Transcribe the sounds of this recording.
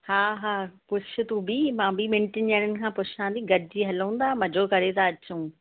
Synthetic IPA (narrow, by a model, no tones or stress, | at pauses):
haːɦaːpʊt͡ɕʰɪt̪ũbimãːbɪmẽɳʈɪnəːɽ̃ənɪ̆kʰãːpʊʃãːn̆d̪ĩɡɐɾd͡ʑiːɦɐlũːn̆d̪aːmɐd͡ʑokɐɾet̪aɐt͡ɕũː